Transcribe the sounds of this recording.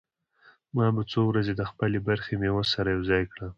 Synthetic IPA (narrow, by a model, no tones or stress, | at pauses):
mɑbat͡sowɾazed̪əxpəlebaɾxemewəsaɾajawzɑjkɽa